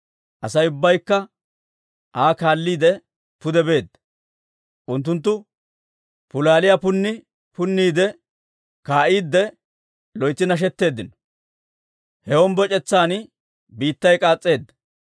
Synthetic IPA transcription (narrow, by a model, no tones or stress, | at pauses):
ʔɐsɐjʊbːɐjkːɐ | ʔaːkaːlːiːd̪ɛ | pʊd̪ɛbe̞ːd̪ːɐ | ʔʊnt̪̬ːʊnt̪̬ːʊ | pʊlaːlɪjapʊnːɪ | pʊnːiːd̪ɛ | kaːʔiːd̪ːɛ | lɔjt͡sːɪnɐʃ̬ɛt̪ːe̞ːd̪ːɪnɔ̥ | hɛɔmbɔt͡ʃʼɛt͡sːaːn | biːt̪ːɐjkʼaːt͡sʼːe̞ːd̪ːɐ̥